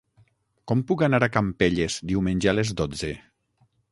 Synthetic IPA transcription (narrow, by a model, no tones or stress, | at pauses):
kɔmpukanaɾakampeʎezd̪iwmenʲʒalezðod͡ze